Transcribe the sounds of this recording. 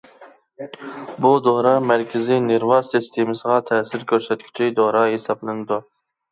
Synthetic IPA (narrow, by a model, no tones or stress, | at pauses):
bud̪oɾɑmæɾkʲʰɪzinɪɾvɑsist̪ʰemɨsəʁɑt̪ʰɛːsɪɾkʲʰøɾsɛt̪kʲʰy̥t͡ʃʰid̪oɾɑɦesɑblˠɨnɨd̪u